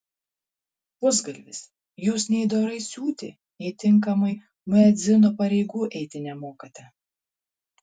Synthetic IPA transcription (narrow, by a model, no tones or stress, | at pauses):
pʊzɡɐlʲʋʲɪs | juːsnʲɛɪd̪oːɾɐɪsʲuːt̪ʲɪ | ɛt̪ʲɪŋˑkɐmɐɪ | mʲɛd̪zʲɪnopɐɾʲɛɪɡuːʔɛɪt̪ʲɪnʲɛmoːkʲɐt̪ʲɛ